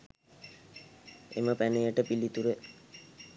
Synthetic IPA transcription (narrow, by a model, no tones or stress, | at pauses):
ḛməpænejəʈəpilit̪uɾe